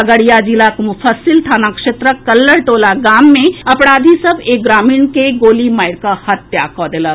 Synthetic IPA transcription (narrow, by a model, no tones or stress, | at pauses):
əɡəɽijad͡ʒilakmʊfʰəsɪlt̪ʰaːnakʂet̪ɾəkɐlːəɽʈoːlaɡaːmːẽɐpɽaːd̪ʱisɐbeɡɾaːmiːɳkeɡoːlimaːjɪɾkahɐt̪jakɔːd̪ela